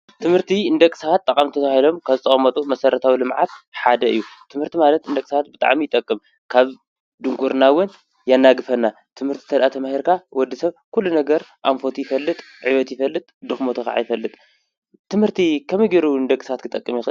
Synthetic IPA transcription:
t̪ʰɨmhɨɾt̪ʰiɨnd̪ɐkʼɨ̥sawat̪ʼːɐkʼamt̪ʰɐt̪ʰβahilo̞mkʰaβzɨt̪ʼχʼɐmɐt̪ʼumɐsɐɾɐt̪ʰawilɨmʕat̪ħad̪ɐɨjːut̪ʰɨmhɨɾt̪ʰimalɐt̪ɨnd̪ɐkʼɨsaat̪̚bɨt̪ʼa̰ʕmijɪt̪ʼɐkʼːɨm | kʰaβ | d̪ɨŋkʰʼuɾnawʊn | janːaɡɨfɐnːa | t̪ʰɨmhɨɾt̪ʰi̥t̪ʰɐd̪ʔat̪ʰɐmahiɾkʰawɔd̪ːisɐβkulːunɐɡɐɾʔamfo̞t̪ijɪfɐlːɨt̪ʼ | ʕiβɐt̪jɪfɐlːɨt̪ʼd̪ɨxmot̪ʰɐxʕa̰jfɐlːɨt̪ʼ | t̪ʰːɨmhɨɾt̪ʰikʰɐmɨɡiɾuɨnd̪ɐkʼɨsaat̪kʰɨt̪ʼɐkʼːɨmjɪxɨ

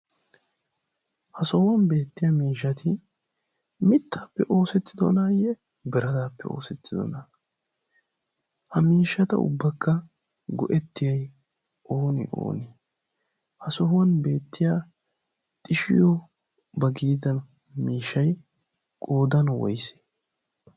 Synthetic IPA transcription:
hɐsɔhʊwɐnbe̞ːt̪ːɪjamiːʃːɐt̪ʰɪ | mɪt̪ːaːpːɛʔo̞ːsɛt̪ːɪd̪ɔ̰naːjɛ | bɪɾɐd̪aːpːɛ̰o̞̰ːsɛt̪ːɪd̪ɔ̰nɐ | hɐmiːʃːɐt̪ɐ̰ʊ̰bːɐkʰːɐ | ɡɔ̰ʔɛt̪ːɪjɐj | ʔo̞ːnɪ̰ʔo̰ːnɪ | hɐsɔɦʊwɐnbe̞ːt̪ːɪja | t̪ʼɪʃɪ̰jɔ | bɐɡiːd̪ɐn | miːʃːɐj | kʼoːd̪ɐnwɔ̰jse̥ː

